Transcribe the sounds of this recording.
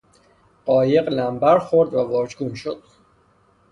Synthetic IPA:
ɢ̥ɒːje̞ɢlæmbæɾxoɾd̪vævɒːd͡ʒɡunʃod̪̥̚

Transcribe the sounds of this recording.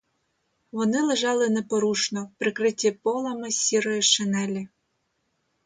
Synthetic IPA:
ʋɔnɪlˠeʒɑlˠɪnɛpɔɾuʃnɔpɾɪkɾɪtʲːipɔlˠamɪsʲiɾɔjeʃɪnɛlʲi

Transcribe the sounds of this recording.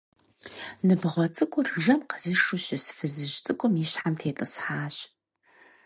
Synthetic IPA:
nɨbʁʷɔt͡sʼɨkʷʼʊrʒɐmqə̥zɨʂuɕɪsfɨzɨʒt͡sʼɨkʷʼʊmjiɕħamtʰeːtʼɨsħaːɕ

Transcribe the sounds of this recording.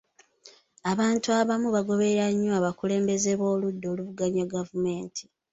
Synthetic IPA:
aβaːntuaβamuβaɡo̞βe̞ɾaɲːoaβakule̞ːmbe̞ze̞βo̞ːludːo̞ːluvuɡaɲaɡavume̞ːntʰi̥

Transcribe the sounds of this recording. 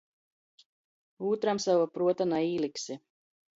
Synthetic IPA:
uːt̪ɾamsavapɾuɔt̪anaiːlˠiksi

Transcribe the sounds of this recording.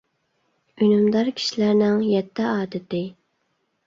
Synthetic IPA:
ynymd̪ɑɾkʲʰi̥ʃilæɾnɪŋjɛt̪ʰːɪɑːd̪ɪt̪ɪ

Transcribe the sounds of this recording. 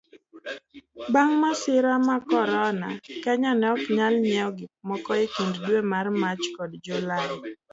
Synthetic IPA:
baŋmasɪɾamakɔɾɔnakɛɲɔnɛɔkɲalɲɛɔɡɪmɔkɔekinddwemarmat͡ʃkɔdd͡ʒulajɪ

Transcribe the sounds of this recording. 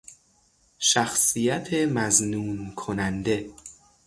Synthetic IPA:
ʃæxsijæt̪ʰemæznuːnkʰonænd̪e̞

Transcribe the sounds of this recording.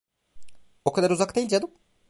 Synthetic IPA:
okʰad̪aɾuzakt̪ʰeilʲd͡ʒad̪ɯm

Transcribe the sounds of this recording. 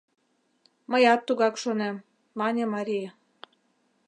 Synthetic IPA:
mɤ̆jɑt̪ːuɣɑkʃonemː | ɑnʲĕmɑɾʲijɑ

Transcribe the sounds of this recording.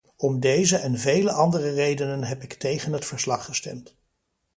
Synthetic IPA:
ɔmdejzəʔɛnvejləʔɑndərərejdənənɦɛpɪktejχənɦətfəɹslɑχːəstɛmt

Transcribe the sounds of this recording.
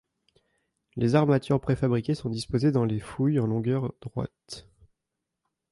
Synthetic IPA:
lezaʁmat̪ʰyʁpχefabʁikʲesɔ̃d̪ispozed̪ɑ̃lefujɑ̃lɔ̃ɡʲœʁd̪̥ʁwa̰t̪

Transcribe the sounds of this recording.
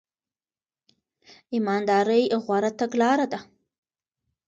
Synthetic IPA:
imɑnd̪ɑɾəjɣwaɾat̪aɡlɑɾad̪a

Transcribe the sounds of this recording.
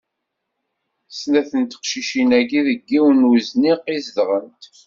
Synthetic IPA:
snæθənt̪ə̥qʃiʃinæɡiðəɡːiwənwuzniqːizdʁənt̪

